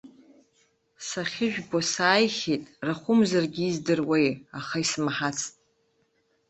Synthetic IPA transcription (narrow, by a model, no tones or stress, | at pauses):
saχʲɪʒᶣbosaːjχʲetʼraχʷʊmzarɡʲiːzdɨrwejaχaismħat͡sʰtʼ